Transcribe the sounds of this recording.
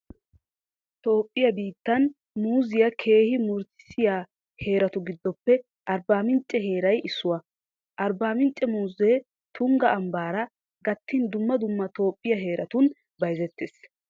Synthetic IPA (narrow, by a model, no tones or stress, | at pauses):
t̪o̞ːpʼːɪjɐbiːt̪ːɐn | muːzɪjɐkʰe̞ːhɪmʊɾsɪ̥sɪjaː | he̞ːɾɐt̪ʊɡɪd̪ːɔpːɛ | ʔɐɾbaːmɪnt͡ʃʼːɛɦe̞ːɾɐjʔɪsːʊwɐ | ʔɐɾbaːmɪnt͡ʃʼːɛmuːzeː | t̪ʰʊŋɡɐʔɐmbaːɾɐ | ɡɐt̪ʰːɪnd̪ʊmːɐd̪ʊmːɐt̪o̞ːpʼːɪjɐɦe̞ːɾʔɐt̪ʊn | bɐjzɛt̪ʰːeːs